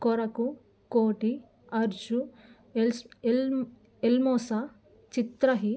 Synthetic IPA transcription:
kɔɾɐku | koːʈi | ɐɾd͡ʒu | l | elmoːsa | t͡ʃit̪ɾɐɦi

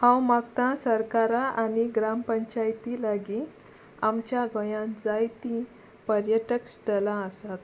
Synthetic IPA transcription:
hãwmaɡt̪ãsəɾkaɾaʔaniɡɾampəɲt͡ɕajt̪ilaɡi | amt͡ɕjaɡəjãd͡zajt̪ĩ | pəɾjəʈəksʈəlãəsat̪

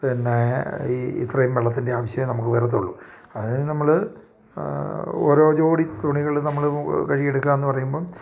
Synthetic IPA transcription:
pinːeiḭt̪rɐjumʋeɭɐt̪ːinde̞aːʋɐɕjɐnɐmukːɨʋɐɾɐt̪̬ːuɭːu | ɐðnɐmːɐɭ | o̰ːɾo̞ːt͡ɕo̞ːɽit̪uɳiɣɐɭnɐmːɐɭkɐɻijeɽukːaːme̞nːɨpɐrɐjumbo̞ːɭ

